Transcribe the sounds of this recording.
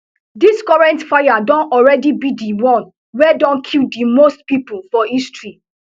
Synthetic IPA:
diskɔɹɛ̃ntfajadɔ̃nɔɹɛdibidiwɔ̃n | wɛdɔ̃nkʰildimostpipulfɔistɹi

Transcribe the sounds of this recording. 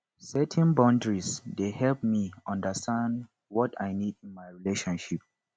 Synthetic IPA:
sɛtʰɛ̃nbãndɹisdehɛlp̚miʌ̃ndəstʰãnd | wɔta̰jnidĩnmajɹileʃɔ̃nʃip̚

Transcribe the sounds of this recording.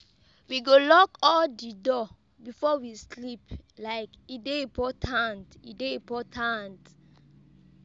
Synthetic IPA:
wiɡolɔkɔldidɔ | bifɔwisliplaɪkideĩpɔtʰãntideipɔtʰãnt

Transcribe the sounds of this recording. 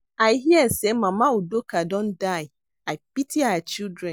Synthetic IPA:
aɪɦiɛsemãmaudokadɔ̃ndaɪ | aɪpitiawat͡ʃildɹɛ̃n

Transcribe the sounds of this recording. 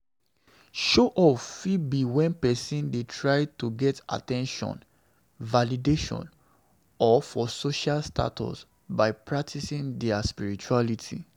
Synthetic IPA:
ʃoʔɔfibiwɛ̃npɛsĩndetʰɹaɪtuɡɛta̰tɛ̃nʃɔ̰̃n | valideʃɔ̰̃n | ɔfɔsoʃalstʰa̰tɔ̰s | baɪpʰɹak̚tʰisĩndɛaspiɹit͡ʃualitʰḭ

